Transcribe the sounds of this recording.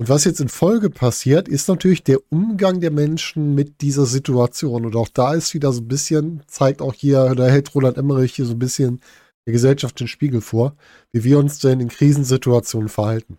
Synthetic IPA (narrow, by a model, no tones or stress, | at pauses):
ʔʊntv̥asjɛt͡stɪnfɔlɡəpʰasiːɐtɪstnatʰyːɐlɪçd̥eːɐʔʊmɡaŋdeːɐmɛnʃn̩mɪt̚d̥iːzɐzɪtuat͡sjoːnʊntaʊxd̥aːɪstv̥iːdɐzoːnbɪsçənt͡saɪk̚taʊxhiːɐdahɛltʁoːlantʔɛməʁɪçhiːɐzoːnbɪsçən | d̥eːɐɡəzɛlʃaftɪnʃpiːɡl̩foːɐ | viːviːɐʊnsd̥ɛnɪnkʁ̥iːzn̩zɪtuat͡sjoːnənfɛɐhaltn̩